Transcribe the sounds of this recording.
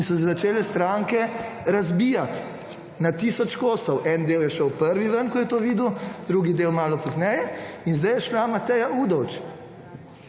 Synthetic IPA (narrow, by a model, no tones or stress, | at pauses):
insɔs̬ɛzat͡ʃeːlɛst̪ɾaŋkɛ | ɾazbijat̪ | nat̪iːsɔt͡ʃkoːsɔwʔɛnd̪eːwjɛʃəwpəɾʋiʋənkɔjɛt̪oːʋiːd̪uwd̪ɾuːɡid̪eːwmaːlɔpɔznɛjɛinzd̪ɛjɛʃlamat̪ɛjauːd̪ɔwt͡ʃ